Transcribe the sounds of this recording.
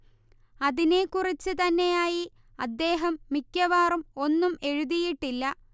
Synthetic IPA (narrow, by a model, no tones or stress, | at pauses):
ɐðine̞kurit͡ɕːɨt̪ɐnːe̞jaːji | ɐd̪ːe̞ːɦɐmːikʲːɐʋaːrumo̞nːume̞ɻuðijiʈːilːɐ